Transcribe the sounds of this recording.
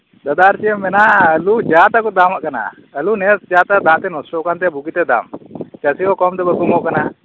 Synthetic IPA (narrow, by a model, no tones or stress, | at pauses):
d̪ɐd̪aɾt͡ʃɛmɛnaəlud͡ʒat̪akɔd̪amaʔkana̰ | əlunɛsd͡ʒat̪ad̪ãʔt̪ɛnɔsʈɔkant̪ɛbuɡit̪ɛd̪a̰mt͡ʃəsikɔkɔmt̪ɛbəkɔmɔʔkana